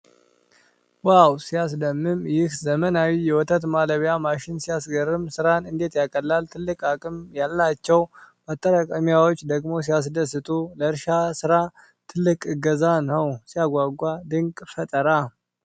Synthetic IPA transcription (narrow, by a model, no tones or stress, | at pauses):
wawsijas̬d̪əmːɨmjɪhzəmənawijɛwɔt̪ʰət̪maləβjamaʃɪnsijasɡəɾːɨmsɨɾanɨnd̪e̞t̪jakʼəlːalt̪ʰɨlːɨkʼakʼɨmjalːat͡ʃːɛwmət̪ʼːəɾakʼəmjawot͡ʃːd̪əɡmo̞s̬ijas̬d̪əsːɨt̪ʼuləɨɾʃasɨɾa | t̪ʰɨlːɨkʼɨɡəzanəwsijaɡʷaɡʷad̪ɨŋkʼfət̪ʼəɾa